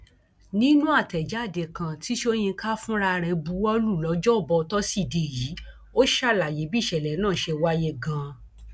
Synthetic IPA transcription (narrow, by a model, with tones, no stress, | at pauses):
nĩ˦nũ˦a˦˨tɛ˨d͡ʒa˨˦˨de˨kã˨ti˦ʃo˦j̃ĩ˧ka˦fũ˦ɾa˧ɾɛ˧bu˨˦wɔ˦lu˦˨lɔ˨˦d͡ʒɔ˦ɔ˦˨bɔ˧tɔ˦si˦˨de˨ji˨˦ | o˦ʃa˦˨la˨je˨˦bi˦˨ʃɛ˨lɛ˨˦nãː˦˨ʃe˧wa˦je˧ɡã˧